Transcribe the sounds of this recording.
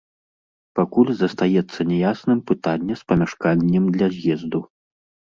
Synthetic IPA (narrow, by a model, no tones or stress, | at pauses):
pakulʲzɐst̪ajɛt̪sːɐnʲɛjasnɨmpɨt̪anʲːɐspɐmʲaʂkanʲːɛmd̪lʲɐzʲjɛzd̪u